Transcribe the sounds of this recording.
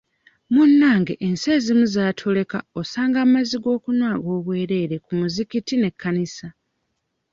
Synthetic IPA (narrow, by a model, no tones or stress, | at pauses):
munːaːŋɡe̞ʔense̞ːzimuzaːtʰo̞le̞ka̰o̞saːŋɡamaziɡo̞ːkunwaːɡo̞ːβwe̞ːɾe̞ːɾe̞kumuzikitine̞kʰːanisa